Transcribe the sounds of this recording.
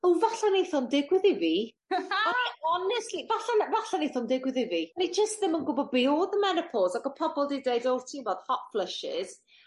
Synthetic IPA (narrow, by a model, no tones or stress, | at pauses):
owvaɬanejθɔndɪɡwɪðɪviː | aɔnɛstlivaɬanvaɬanejθɔndɪɡwɪðɪviːnid͡ʒəstðəmənɡʊbɔbioːðəmɛnəpʰɔzaɡəpʰɔbɔlˠdedeɨdɔwrtʰivɔð̥hɔtflˠəʃɪ̰z̥